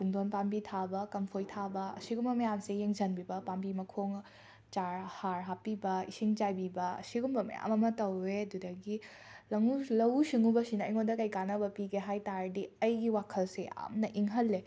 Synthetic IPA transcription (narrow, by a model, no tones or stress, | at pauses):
puŋdonpambitʰabɐkɐmpʰojtʰabɐɐ̰siɡumbɐmɐjamsejeŋzɐnbibɐpambimɐkʰoŋ | t͡ʃaɾhaɾɦapibɐisiŋd͡ʒajbibɐɐ̰siɡumbɐmɐ̰ja̰mɐmɐtɐwːeɐdudɐɡi | lɐŋulɐwsiŋubɐsinɐɐ̰jŋondɐkɐjkanɐbɐpiɡeɦajtaɾdiɐjɡiwakʰɐlseʔa̰mnɐʔiŋɦɐlːe